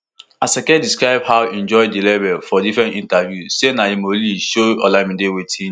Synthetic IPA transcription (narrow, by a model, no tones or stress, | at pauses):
asɛkɛ̃ndiskɹaɪbhawɛ̃nd͡ʒɔɪdilebɛlfɔdifɹɛ̃ntĩntavjusenaimoliʃoɔlamĩndewetʰĩn